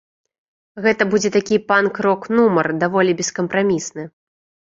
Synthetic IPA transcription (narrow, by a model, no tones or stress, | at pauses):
ɣɛt̪ɐbud͡zʲɛt̪akʲipankɾɔknumɐrd̪avɔlʲibʲɛskɐmpɾamʲisnɨ